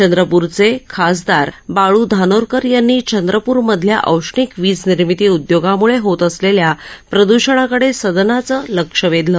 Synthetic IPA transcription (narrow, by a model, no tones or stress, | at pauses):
t͡ɕənd̪ɾəpuɾt͡sekʰas̬d̪aɾbaɭuːd̪ʱanoɾkəɾjanːiːt͡ɕənd̪ɾəpuːɾməd̪ʱlja̰ʔəwʂɳiːkʋiːd͡zniɾmit̪iːud̪joɡamuɭeɦot̪əsleljapɾəd̪uɕəɳ̃akəɽesəd̪nat͡sələkʂəʋed̪lə